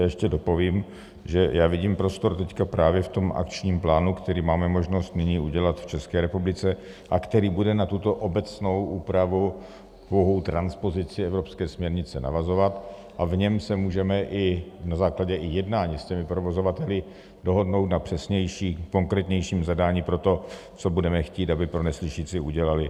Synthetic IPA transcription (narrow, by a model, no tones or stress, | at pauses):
ajɛʃcɛdopo̞viːm | ʒɛjaːvɪɟiːmpɾo̞st̪o̞ɾt̪ɛckapɾaːvjɛft̪o̞mʔa̰kt͡ʃɲiːmplaːnukt̪ɛɾiːmaːmɛmo̞ʒno̞st̪nɪɲiːuɟɛlat̪ft͡ʃɛskɛːɾɛpublɪt͡sɛ | ʔakt̪ɛɾiːbudɛnat̪ut̪o̞ʔobɛt͡sno̞wʔuːpɾavu | poɦowt̪ɾanspo̞zɪt͡sɪɛvɾo̞pskɛːsmɲɛɾɲɪt͡sɛna̰vazo̞vat̪ | ʔavɲɛmsɛmuːʒɛmɛʔɪnazaːklaɟɛʔɪjɛdnaːɲiscɛmɪpɾovo̞zo̞vat̪ɛlɪ | do̞ɦo̞dno̞wt̪napr̥ɛsɲɛjʃiːko̞ŋkɾɛːt̪ɲɛjʃiːmzadaːɲiːpɾo̞t̪o̞t͡so̞budɛmɛxciːt̪abɪpɾo̞nɛslɪʃiːt͡sɪuɟɛlalɪ